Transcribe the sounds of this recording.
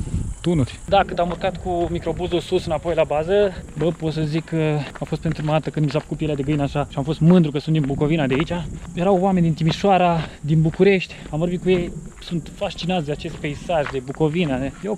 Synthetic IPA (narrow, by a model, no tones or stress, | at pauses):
t̪unurʲd̪akɨnd̪amurkat̪kumikɾo̞buzulsusɨnapo̞jlabazəbəpot̪səzikʰːəamfo̞st̪̚pe̞nt̪ɾumaat̪əkɨnd̪misafə̥kut̪pjelead̪eɡəinəaʃaʃiamfo̞st̪mɨnd̪ɾukəsund̪inbuko̞vinad̪eait͡ʃajeɾawoamenʲd̪int̪imiʃoaɾad̪inbukuɾe̞ʃt̪ʲamvo̞ɾbit̪kuje̞jsunt̪fast͡ʃinat̪sd̪e̞at͡ʃe̞st̪̚pe̞isaʒd̪e̞buko̞vinaejew